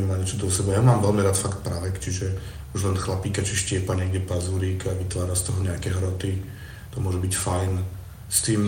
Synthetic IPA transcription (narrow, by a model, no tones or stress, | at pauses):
ɛmaɲɛt͡ʃɔd̪ɔsɛbajamaːmʋɛlmiɾaːt̪fakt̪̚pɾaʋɛkt͡ʃiʒɛ | uʒlɛnxlapiːkat͡ʃiʃcɪɛpaɲɪɛɡɟɛpazuːɾiːkaʋit̪ʋaːɾast̪ɔɦɔɲɛakɛɦɾɔt̪i | t̪ɔmʊɔʒɛbicfajn | st̪iːm